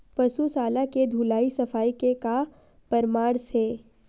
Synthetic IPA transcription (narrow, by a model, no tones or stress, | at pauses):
pɐsusaːlaked̪ʱuːlaːisɐfaːikeka | pɐɾmaːɾsɦɛː